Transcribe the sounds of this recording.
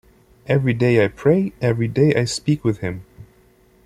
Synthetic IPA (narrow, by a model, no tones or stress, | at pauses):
ɛvɹideɪaɪpʰɹ̥eɪɛvɹideɪʔaɪspikwɨð̥ɪ̃m